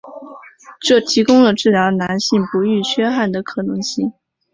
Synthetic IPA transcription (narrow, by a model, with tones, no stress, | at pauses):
ʈ͡ʂɤ˥˩t̪ʰi˧˥kʊ˥ŋlə˨ʈ͡ʂɻ̩˥˩ljɑ˧˥ʊna˧˥nɕi˥˩ŋpu˧˥y˥˩t͡ɕʰɥɛ˥xa˥˩nd̪ə˩kʰɤ˨˩nɤ˧˥ŋɕi˥˩ŋ